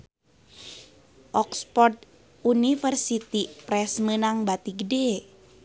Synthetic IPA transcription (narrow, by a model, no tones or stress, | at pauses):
ʔɔkspɔrt̪ | unifərsit̪ipɾɛsmənaŋbat̪iɡəde